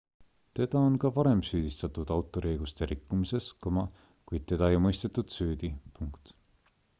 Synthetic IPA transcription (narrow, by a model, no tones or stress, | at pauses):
t̪e̞d̪̥ɑonkɑvɑɾe̞msyːd̪̥ist̪ɑt̪ˑud̪̥ɑwt̪ːˑo̞ɾiejɡ̥ust̪e̞ɾikːˑumise̞skomɑ | kujd̪̥̚t̪e̞d̪̥ɑjmɤjst̪et̪ːˑud̪̥syːd̪̥ipuŋkt̪